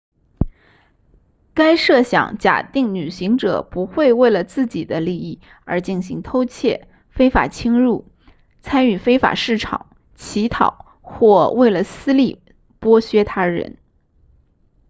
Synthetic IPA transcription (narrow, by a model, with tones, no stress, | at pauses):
ka˥ɪʂɤ˥˩ɕjɑ̰˨˩˦ŋt͡ɕja̰˨˩t̪i˥˩ŋny˨˩ɕi˧˥ŋʈ͡ʂɤ̰˨˩pu˧˥xwe˥˧ɪwe˥˩ɪlə˩t͡sɹ̩˥˩t͡ɕi˨˩d̪ə˦li˥˧i˥˩ | ə̰˞˧˥t͡ɕi˥˩nɕi˧˥ŋt̪ʰo˥ʊt͡ɕʰjɛ˥˩ | fe˥ɪfa̰˨˩t͡ɕʰi˥ŋɻu˥˩ | t͡sʰa˥ny˥˩fe˥ɪfa̰˨˩ʂɻ̩˥˩ʈ͡ʂʰɑ̰˨˩˦ŋ | t͡ɕʰi˧˥t̪ʰɑ̰˨˩˦ʊ | xwɔ˥˧we˥˩ɪlə˩sɹ̩˥li˥˩ | pwɔ˥ɕɥɛ˥t̪ʰa˥ɻə̰˧˥n